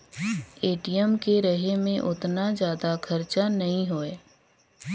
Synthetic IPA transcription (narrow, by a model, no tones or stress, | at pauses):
eːʈijəmkeɾɐɦemẽʔʊt̪nazjaːd̪akʰɐɾt͡ʃanɐɦĩɦoːeː